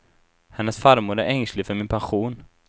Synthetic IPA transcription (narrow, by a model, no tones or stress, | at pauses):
hɛnːəsfaɾmuːɾæɾɛŋslɪfœɾmɪnpʰanɧuːn